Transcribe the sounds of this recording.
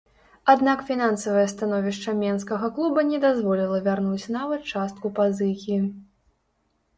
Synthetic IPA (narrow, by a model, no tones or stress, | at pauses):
ad̪nakfʲin̪ansɐvɐjɐst̪anɔvʲiʂt͡ʂɐmʲɛnskɐɣɐklˠubɐnʲɛd̪azvɔlʲilˠɐvʲarnut͡sʲnavɐt̪̚t͡ʂast̪̚kupazɨkʲi